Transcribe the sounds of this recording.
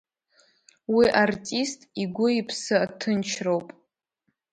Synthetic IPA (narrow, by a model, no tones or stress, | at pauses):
wiʔartʼistʼiɡʷʊipʰsɨatʰɨnt͡ʃʰrowpʼ